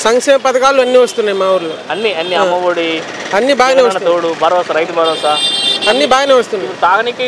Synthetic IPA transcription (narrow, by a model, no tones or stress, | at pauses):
sɐŋkʂɛːmɐpɐd̪ɐkaːluɐnːiʋɐst̪unːaːjimaːuɾuluɐnːiɐnːiɐmːɐʋoɽi | ɐnːibaːjɐneːʋɐsnɐt̪t̪oɽubʱɐɾɐʋɐsɐɾɐjt̪ubɐɽɐsaɐnːibaːjɐneːʋɐst̪unːut̪aːɡɐniki